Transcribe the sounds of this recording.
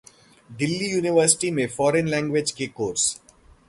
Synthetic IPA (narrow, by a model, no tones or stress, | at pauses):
ɖɪlːijuːnɪʋəɾsɪ̥ʈimẽfɔːɾə̃nlɛ̃ːŋɡʋed͡ʒkekoːɾs